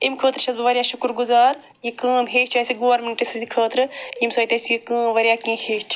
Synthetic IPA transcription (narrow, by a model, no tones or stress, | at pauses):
imkʰəːt̪ɾt͡ʃʰɐzbɨʋɐɾʲjaːʃukɾɡuzaːɾ | jikə̃ːmɦeːʃt͡ʃʰɐːsiɡoːɐɾminʈisɐd̪ikʰəːt̪ɾɨjimsɐːt̪ɐsijikə̃ːmʋɐɾʲjaːkĩːheːʃt͡ʃʰ